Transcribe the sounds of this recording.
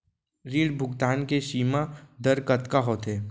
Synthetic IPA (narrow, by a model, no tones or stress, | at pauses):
ɾiːɽbʱʊɡt̪aːnkeʃiːmad̪əɾkət̪kaɦoːt̪ɦeː